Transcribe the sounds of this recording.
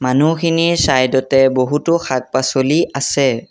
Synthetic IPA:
manukʰiniɹsajdɔtɛboɦutʊxʰak̚pasoliʔasɛ

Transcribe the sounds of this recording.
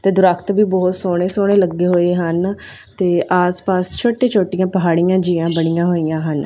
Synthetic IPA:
t̪eːd̪ʊɾakʰt̪biːbɔːt̪soːɽ̃eːsoːɽ̃eːləɡːeːɦoːeːɦən | t̪eːʔaːspaːst͡ʃʰoːʈeːt͡ʃʰoːʈijãːpəɦaːɽijãːd͡ʒiãːbəɽ̃ijãːɦoːijãːɦən

